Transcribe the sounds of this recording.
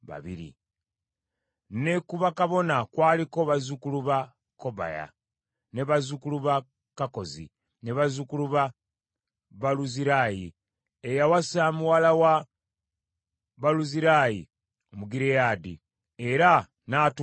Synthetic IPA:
βa̰βiɾḭ | ne̞kuβakaβo̞nakwaːliko̞βazukuluβa | ko̞ba̰ja̰ | ne̞βazukuluβa | kako̞zḭ | neβazukuluβa | βaluziɾaji | ejawasamuwalawa | βaluziɾaji | omuɡiɾejaːdḭ | e̞ɾa | naːt

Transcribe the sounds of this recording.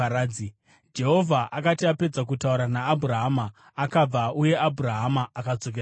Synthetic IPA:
aɾaːi | d͡ʒe̞ɦo̞vʱaʔakatiape̞d͡zak̬utauɾanaːbʱuɾaɦamaː | kab͡vauje̞ʔabʱuɾaɦamaːkat͡so̞k̬era

